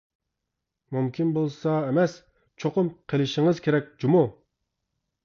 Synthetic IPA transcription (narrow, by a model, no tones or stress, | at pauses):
mumkʲʰinbolˠsɑemɛs | t͡ʃʰoqʊmqʰelɪʃɪŋɨzkʲʰeɾɛk̚ʲd͡ʒumu